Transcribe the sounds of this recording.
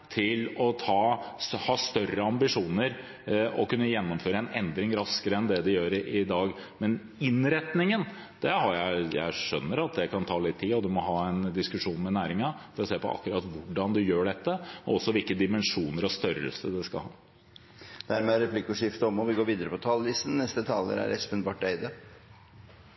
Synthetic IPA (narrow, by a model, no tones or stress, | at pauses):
t̪ʰɪlɔt̪ʰɑːhɑːst̪œrəɑmbɪʂuːnəɾ | ɔkʉnːəjɛnːɔmføːɾəɛnɛnd̪ɾɪŋɾɑskəɾəɛnd̪ɛd̪ɛjøːɾʔɪd̪ɑːɡmɛn | ɪnɾɛt̪nɪŋən | d̪̥ɛhɑɾjæɪjæ̰ɪʂœnːəɾɑt̪̚d̪ɛkɑnt̪ʰɑːlɪt̪ʰːiːɔd̪ʉmɔɦɑːɛnd̪ɪskʉʂuːnmɛnæːɾɪŋɑfɔɾɔseːpɔ̰ʔɑ̰kːʉɾɑːt̪ʋʊɖɑnd̪ʉjøːɖɛt̪ːəɔɔsːɔʋɪlkəd̪ɪmɛnʂuːnəɾɔst̪œɾə̰lsəd̪ɛskɑ̰hɑ̰ː | d̪̥æɾmɛæɾɛpʰlɪkːʊʂɪft̪əɔmɔʋɪɡoːɾʋiːd̪əɾəpɔt̪ʰɑːllɪsn̩nːɛst̪ət̪ʰɑːlə̰ɾæ̰ɾɛ̰spɛnbɑːʈeɪd̪ə